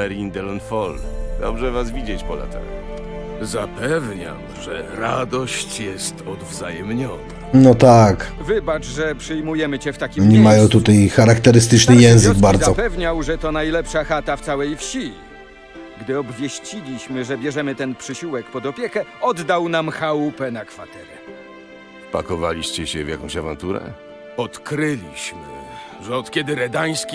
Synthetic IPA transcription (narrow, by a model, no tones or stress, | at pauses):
ɛɾind̪ɛlɔnfɔld̪ɔ̰bʐɛvasvʲid͡ʑet͡ɕpɔla̰t̪ɛ̰l | zapɛvɲa̰wʐɛ̰ɾad̪ɔɕt͡ɕjɛst̪ɔd̪vzajɛmɲɔnanɔt̪akvɘbat͡ʂʐɛpʂɘjmujɛmɘt͡ɕɛft̪akʲiɲɛmajɔ̃w̃t̪ut̪ajxaɾakt̪ɛɾɘst̪ɘt͡ʂnɘjɛ̃w̃zɘɡbaɾd̪zɔpɛvɲawʐɛt̪ɔnajlɛpʂaxat̪aft̪sawɛjfɕi | ɡd̪ɘɔbvʲjeɕt͡ɕilʲiɕmɘʐɛbʲjɛʐɛmɘt̪ɛnpʂɘɕiwɛkpɔd̪ɔpʲjɛkɛɔd̪ːawnamxaupɛnakfat̪ɛɾɛ | pa̰kɔvalʲiɕt͡ɕɛɕɛvja̰kɔ̃w̃ɕava̰nt̪uɾɛ̰ | ɔt̪kɾɘlʲiɕmɘ̰ | ʐɛɔt̪kʲɛd̪ɘɾɛd̪aj̃skʲi